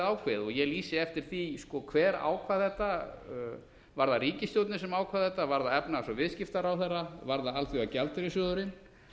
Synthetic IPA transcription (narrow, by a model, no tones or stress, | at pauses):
aːwkʰvɪðɔɣjɛɣliːsɪɛft̪ɪɾ̥θiskɔkʰvɛːɾa̰ːwkʰvaðθɛht̪ːa | vaɾðaɾiːcɪst̪jowt̪nɪsɛmaːwkʰvaðθɛht̪ːavaɾðaɛpnasɔvɪðscɪft̪aɾawθɛrːavaɾðaalθiacalt̪ɪɾɪsjɔːðʏɾɪn